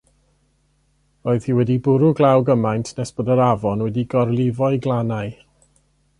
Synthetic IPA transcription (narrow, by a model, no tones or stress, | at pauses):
roːɨð̥hiːwɛdibʊɾʊɡlˠawɡəmajntʰnɛsb̥ɔdəɾavɔnwɛdiɡɔrlˠɪvɔɨɡlˠanaɨ